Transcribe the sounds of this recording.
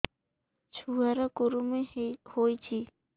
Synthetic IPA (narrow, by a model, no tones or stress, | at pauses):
t͡ʃʰuɦaɾakoɾumehojt͡ʃʰi